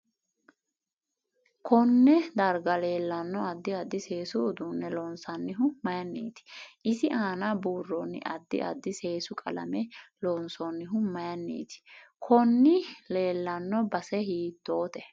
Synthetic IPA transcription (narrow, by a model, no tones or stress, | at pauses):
kʰɔnːɛd̪ɐɾɡɐle̞ːlːɐnːɔɐd̪ːɪɐd̪ːɪse̞ːsʊːd̪unːɛlɔːnsɐnːɪɦʊmɐjɐnːḭːt̪ɪ̥ʔɪsɪʔaːnɐbuːrːɔnːɪ̰ʔɐd̪ːɪ̰ʔɐ̰d̪ːɪse̞ːsʊkʼɐlɐ̰mɛlonsɔnːɪɦʊmɐjɐnːḭːt̪ɪ̥kʰɔnːɪle̞ːlːɐnːɔbɐsɛɦiːt̪ːoːt̪ɛ